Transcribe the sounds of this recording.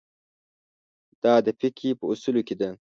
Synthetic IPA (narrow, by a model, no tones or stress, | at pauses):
d̪̥ɑːd̪əpɪkʰipəusuloked̪ɐ